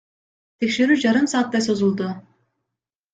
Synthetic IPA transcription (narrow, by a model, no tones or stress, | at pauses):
t̪ʰekʲʃeɾyd͡ʒaɾɯmsaːt̪ːaso̞zulˠd̪ʊ